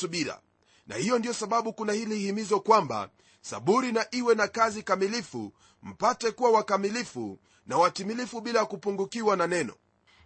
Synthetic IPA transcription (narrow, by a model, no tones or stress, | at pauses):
uɓiɾa̰ | na̰hijɔndijɔsaɓaɓukunahilihimizɔkwamba̰ | sa̰ɓuɾinaʔiwɛnakazikamilifu | m̩patɛkuwawakamilifṵ | nawatimilifuɓilajakupuŋɡukiwananɛnɔ̰